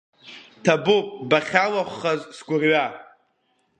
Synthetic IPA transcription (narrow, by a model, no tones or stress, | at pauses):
tʰabupʼbaχʲalaχʷːazsɡʷʊrɥa